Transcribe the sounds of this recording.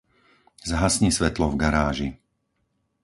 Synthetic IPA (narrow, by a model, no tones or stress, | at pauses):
zaɦasɲisʋɛt̪lɔvɡaɾaːʒi